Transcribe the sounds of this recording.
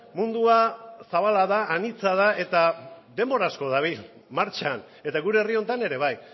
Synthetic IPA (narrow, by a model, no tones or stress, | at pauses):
mund̪uasaβ̞alaðaːnit͡saðaʔe̞t̪aðe̞mbo̞ɾasko̞ðaβ̞il | maɾt͡ʃaːn | e̞t̪aɣuɾeːrio̞nt̪ane̞ɾe̞βaj